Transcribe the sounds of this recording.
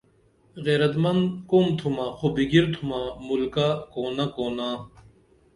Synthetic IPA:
ɣeːɾɐt̪mɐnd̪komt̪ʰumaːxobiɡiɾt̪ʰumamulkakoːnakoːna

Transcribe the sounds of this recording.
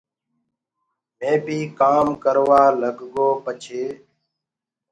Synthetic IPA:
mẽːbiːkaːmkəɾʋaːləɡɡoːpət͡ʃʰeː

